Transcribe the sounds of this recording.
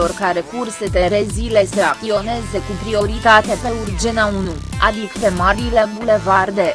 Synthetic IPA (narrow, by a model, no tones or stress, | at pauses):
o̞rkaɾe̞kurse̞d̪eɾezile̞seak̚t̪io̞ne̞ze̞kupɾio̞ɾit̪at̪e̞pe̞urd͡ʒenaunuad̪ikpe̞maɾileŋɡule̞vard̪e̞